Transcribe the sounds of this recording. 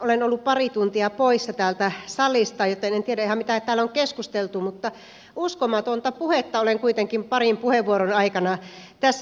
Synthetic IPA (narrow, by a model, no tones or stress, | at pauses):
olenolːuppɑrit̪unt̪iɑpoisːɑt̪æːlt̪æsɑlːˑist̪ɑjot̪enent̪ieɾæihæmmit̪æt̪æːlːoŋkeskust̪elt̪umut̪ːɑ | uskomɑt̪ont̪ɑpuhet̪ːɑoleŋkuit̪eŋkimpɑrimpuheʋːuoɾonɑikɑnɑt̪æsː